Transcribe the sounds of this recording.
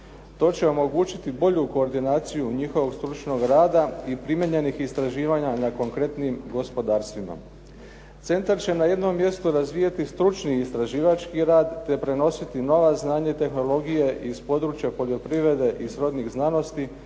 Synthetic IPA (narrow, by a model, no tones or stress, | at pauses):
t̪o̞ːt͡ɕe̞o̞mo̞ɡuːt͡ɕit̪ibo̞ʎuko̞ːɾd̪inaːt̪sijuɲixo̞ʋo̞ɡst̪ɾut͡ʃno̞ɡɾaːd̪aipɾimje̞ɲe̞nixist̪ɾaʒiːʋaɲanako̞ŋkɾe̞t̪nimɡo̞spo̞d̪aːɾst̪ʋima̰ | t̪se̞nt̪aɾt͡ɕe̞naje̞d̪no̞mːje̞st̪uɾazʋiːjat̪ist̪ɾut͡ʃniːst̪ɾaʒiːʋat͡ʃkiɾaːd̪ːe̞pɾe̞no̞sit̪ino̞ʋaznaːɲat̪e̞xno̞lˠo̞ɡije̞ʔispo̞d̪ɾuːt͡ʃjapo̞ʎo̞pɾiʋɾe̞d̪e̞ʔisɾo̞d̪niɣznano̞st̪i